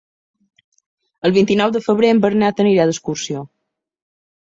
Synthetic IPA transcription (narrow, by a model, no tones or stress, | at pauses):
əlˠβint̪inɔwd̪əfəβɾeəmbəɾnat̪əniɾaðəskuɾsio